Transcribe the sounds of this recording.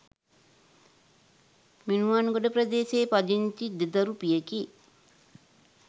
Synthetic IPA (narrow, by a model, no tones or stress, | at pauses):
minuʋanɡoɖəpɾɐd̪eːseːpad͡ʒint̪id̪ed̪ɐɾupijəki